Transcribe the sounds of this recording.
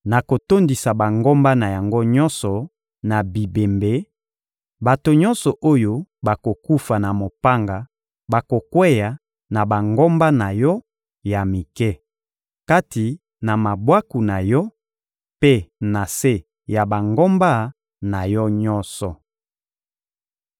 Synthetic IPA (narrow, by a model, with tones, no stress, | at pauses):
na˨ko˨to˦ndi˨sa˨ba˨ŋɡo˦mba˦na˨ja˨ŋɡo˦ɲɔ˦nsɔ˨ | na˨bi˨be˨mbe˨˦ | ba˨to˨ɲɔ̃˦nsɔ˨ʔo˦jo˦ba˨ko˨ku˦fa˨na˨mo˨pa˦ŋɡa˨ | ba˨ko˨kwɛ˦ja˨ | na˨ba˨ŋɡo˦mba˦na˨jɔ˦ | ja˨mi˨kɛ˦ | ka˦ti˨ | na˨ma˨bwa˦ku˨na˨jɔ˦ | pe˦na˨se˦ | ja˨ba˨ŋɡo˦mba˦ | na˨jɔ˦ɲɔ˦nsɔ˨